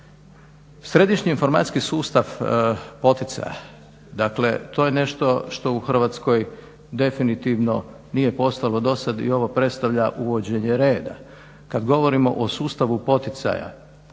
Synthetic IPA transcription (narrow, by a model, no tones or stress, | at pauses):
sɾe̞d̪iʃɲiːnfo̞ɾma̰t̪ʲkisuːst̪aʋpo̞t̪it̪sa̰ja̰ | d̪akle̞t̪o̞ːje̞ne̞ʃt̪o̞ʃt̪o̞uxr̩ʋat̪sko̞j | d̪e̞finit̪iʋno̞ | nijepo̞st̪alo̞d̪o̞sad̪ḭo̞ʋopɾe̞t̪st̪aʋʎaʔuʋo̞d͡ʑe̞ɲe̞ɾe̞ːd̪a̰ | kad̪ɡo̞ʋo̞ɾimo̞̰ʔosuːst̪aʋupo̞t̪it̪sa̰ja̰